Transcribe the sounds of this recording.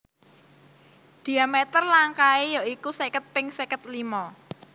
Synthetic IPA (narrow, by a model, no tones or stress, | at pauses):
d̪̥i̤amɛt̪ərlaŋkaejaʔikusɛkət̪̚pɪŋsɛkət̪̚limɔ